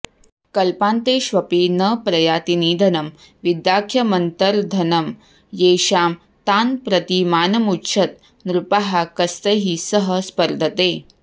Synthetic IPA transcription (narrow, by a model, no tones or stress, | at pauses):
kɐlpãːnt̪eːʃʋɐpinɐpɾɐjaːt̪iniːd̪ʱɐnɐm | ʋid̪jaːkʰjɐmɐnt̪ɐɾd̪ʱɐnɐm | jeːʃaːm | t̪aːnpɾɐt̪imaːnɐmutːʃʰɐt̪̚ | nɾupaɦakɐst̪eɦisɐɦəspɐɾd̪ʱɐt̪eː